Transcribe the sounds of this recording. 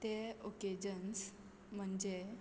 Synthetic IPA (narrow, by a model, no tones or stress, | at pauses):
t̪eoked͡ʑəns | m̤əɳd͡ʑe